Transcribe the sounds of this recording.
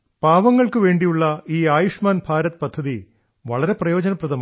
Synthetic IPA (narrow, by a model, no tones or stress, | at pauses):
paːʋɐŋːɐɭkɨʋe̞ːɳɖijuɭːɐiːaːjuʂmaːnbʱaːɾɐt̪ːɨ̥pɐd̪ʱːɐði | ʋɐ̰ɭɐɾe̞prɐjo̞ːd͡ʑɐnɐprɐðɐm